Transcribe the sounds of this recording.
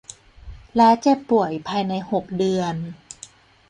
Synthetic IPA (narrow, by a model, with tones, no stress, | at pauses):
laː˦˥t͡ɕɛː˥˩pu˨˩əjpʰaː˧jna˧jho˨˩k̚dɯ˧ən